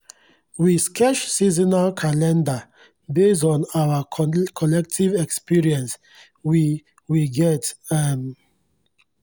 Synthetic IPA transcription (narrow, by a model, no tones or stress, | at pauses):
wiskʰɛʃsizinalkʰalɛ̃nda | bes̬tɔ̃nawakʰɔlɛk̚tʰivɛkspiɹiɛ̃ns | wi | wiɡɛtɛm